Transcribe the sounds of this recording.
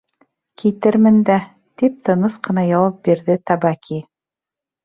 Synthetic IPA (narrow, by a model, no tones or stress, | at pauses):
kit̪ɘɾmɘ̆nd̪æ | t̪ip̚t̪ɤ̆nɤsqɤ̆nɑjɑwɑp̚biɾðɘt̪ɑbakʲʰi